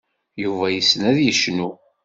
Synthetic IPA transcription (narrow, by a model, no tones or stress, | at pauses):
juvæjəsnæðjəʃnu